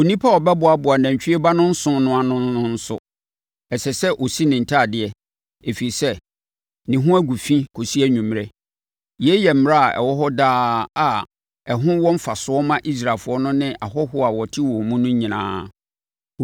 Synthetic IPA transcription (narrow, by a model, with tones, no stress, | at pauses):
o˨nĩ˦pʰa˦ɔ˨bɛ˦bʊ˨a˨bʊ˨a˨næ̃˨ɲt͡ɕᶣi˦e˦ba˦nʊ̃˦n̩˦sʊ̃˦nʊ̃˦a˨nʊ̃˦n˦nʊ̃˦n̩˦sʊ̰˦ | ɛ˨sɛ˨sɛ˦ʔo˨si˦nɪ̃˨n̩˨tʰa˦˨dɪ˨ɛ˨ | e˨fi˨i˨sɛ˦ | nɪ̃˨ɦʊ̃˦æ˦ɡʷu˨fĩ˦kʰo˨si˦æ˦ɲũ˨mɾɛ˦ | jɛ˦jɛ˨m̩˦˨m˨ɾa˦a˨ʔɛ̰˨wɔ˦ɦɔ˦daː˦a˨ | ɛ˨ɦʊ̃˦wɔ̃˦m̩˦fa˨sʊ˦ɔ˦mã˦ʔi˦s̬ɾa˨lfʊ˦ɔ˦nʊ̃˦nɪ̃˦ʔa˨ɦɔ˦ɦʊ˦a˨wɔ˨tʰɪ˦wɔ̃˨mũ˦nʊ̃˦ɲĩ˨nã̰ː˦